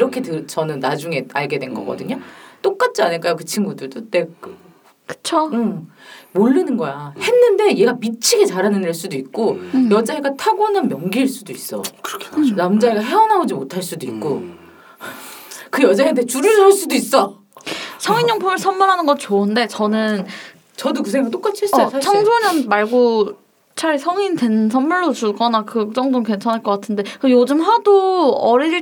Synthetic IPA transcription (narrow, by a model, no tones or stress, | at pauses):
iɾʌkʰe̞tɯɭt͡ɕʌnɯnːad͡ʑuŋe̞aɭɡe̞dwe̞nɡʌ̰k͈ʌ̰dɯɲot͈ok͈̚at̚t͡ɕ͈ʰianɯɭk͈ajokɯt͡ɕʰinɡudɯɭdot͈e̞kɯ | kɯ̥t͡ɕʰoɯ | moɭːinɯnɡʌjahe̞nːɯnde̞je̞ɡamit͡ɕʰiɡet͡ɕaɾanɯneɭs͈udoik̚k͈ojʌd͡ʑaɦeɡatʰaɡʌnɯnmjʌŋɡiiɭs͈udois͈ʌ̰kɯɾʌkʰnamd͡ʑaeɡaɦe̞ʌnaod͡ʑimotʰaɭs͈udoik̚k͈o | kɯjʌd͡ʑaɦeantʰeet͡ɕuɾɯɭs͈udois͈ʌ | sʰʌŋiɲːoŋpʰumɯɭsʰʌnːuɾɦanɯnɡʌt͡ɕoɯnde̞t͡ɕʌnɯn | t͡ɕʌdokɯsʰeŋɡakt͈ok͈at͡ɕʰies͈ʰat͡ɕʰaŋsʰoɲʌnmaɭɡo | t͡ɕʰaɭsʰʌŋinte̞nsʰʌmːuɭːot͡ɕuɭɡʌnakɯk̚t͡ɕ͈ʌŋdoke̞nt͡ɕʰʌnɦaɭk͈ʌk͈atʰɯnde̞kɯjod͡ʑɯmɸwadoʌɾiɭ